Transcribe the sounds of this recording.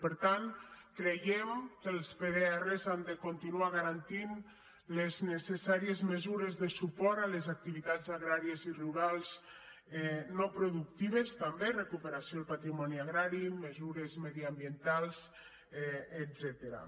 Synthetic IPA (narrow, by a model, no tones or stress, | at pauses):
pəɾt̪ankɾejemkəlˠspeðeɛrezand̪ekont̪inuaɣaɾant̪in | leznesesaɾiezmezuɾezðəsupɔɾalezak̚t̪iβit̪azaɣɾaɾieziruɾalˠz | ɛnɔpɾoðuk̚t̪iβest̪amberekupeɾasjolˠpat̪ɾimɔniaɣɾaɾimezuɾezmeðiambjent̪alˠz | edzɛt̪eɾa̰